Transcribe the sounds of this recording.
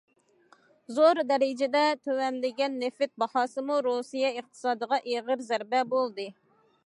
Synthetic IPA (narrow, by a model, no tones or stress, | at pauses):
zoɾd̪ɛɾɪd͡ʒɪd̪ɛt̪ʰøwɛnlɪɡʲɛnːefɪt̪̚bɑhɑːsɨmuɾusijɛɨχt̪ʰɨ̥sɑːd̪əʁɑʔeʁəɾzæɾbɛbolˠd̪ɨ